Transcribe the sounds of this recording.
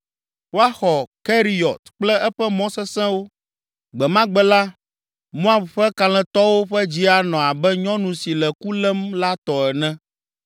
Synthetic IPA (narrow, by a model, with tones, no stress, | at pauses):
wo˦a˦xɔ˨kɛ˦ɾi˨jɔ˨t̪k͡plɛ˦ʔɛ˦ɸɛ˦mɔ̃˦sɛ˦sɛ̃˦wo˦ | ɡ͡bɛ˨mã˦ɡ͡bɛ˦la˦ | mɔ̃˦a˦˨ɸɸɛ˦ka˨lɛ̃˨t̪ɔ˦wo˦ɸɛ˦d͡ʑi˦a˨nɔ̃˨a˨bɛ˦ɲɔ̃˦nũ˨si˨lɛ˨ku˦lɛ˦mla˦t̪ɔ˨ɛ˨nɛ̃˦